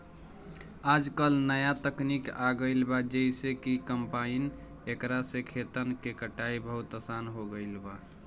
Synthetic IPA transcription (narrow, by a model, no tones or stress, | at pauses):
ad͡ʒkəlnəjat̪əknikaɡəɪlbad͡ʒəisekikəmpain | ekɾasẽkʰet̪ənkekəʈaibʱəɦut̪əsanɦoɡəɪlba